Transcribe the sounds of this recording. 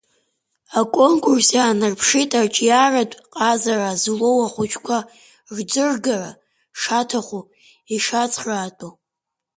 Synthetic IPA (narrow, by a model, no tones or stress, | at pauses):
akʷʼo̞ŋkʰʼursjaːnarpʰʂitʼart͡ʃʼjaratʷʼqʼazarazlowaχʷʊt͡ʃʰʼkʷʰa | rd͡zɨrɡara | ʂatʰaχʷu | iʂat͡sʼʰraːtʼu